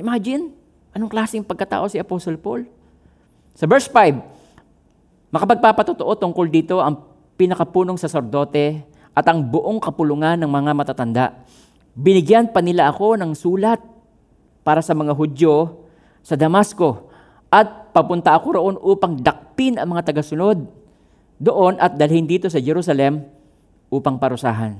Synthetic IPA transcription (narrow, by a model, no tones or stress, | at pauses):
ʔɪmad͡ʒɪn | ʔɐnoŋklaːsɪŋpɐɡ̚kɐt̪a̰ːʔo̞sɪɐposolpol | sɐbɛɹsfajb̚ | mɐkɐpɐɡ̚papɐt̪ʊt̪o̞ʔo̞t̪ʊŋko̞ld̪iːt̪o̞ʔɐŋ | pɪnɐkɐpuːno̞ŋsɐsɛɾd̪o̞ːt̪ɛ | ʔɐt̪ɐŋbʊʔoŋkɐpʊlʊŋanːɐŋmɐŋamɐt̪at̪ɐnd̪a̰ʔ | bɪnɪɡjanpɐnɪlaʔɐko̞nɐŋsuːlɐt̪̚ | paːɾɐsɐmɐŋaɦʊd̪jo̞ | sɐd̪ɐmasko̞ | ʔɐt̪̚pɐpʊnt̪ɐʔɐko̞ɾoʔo̞nʔuːpɐŋd̪ɐk̚p̪ɪnɐŋmɐŋat̪ɐɡɐsʊno̞d̪̚ː | o̞ʔo̞nʔɐt̪̚d̪ɐlhɪnd̪iːt̪o̞sɐd͡ʒɛɾusɐlɛm | ʔuːpɐŋpɐɾʊsa̰ːɦɐn